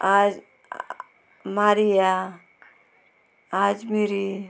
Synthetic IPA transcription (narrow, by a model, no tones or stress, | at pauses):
ad͡ʒ | maɾija | ad͡ʒmiɾi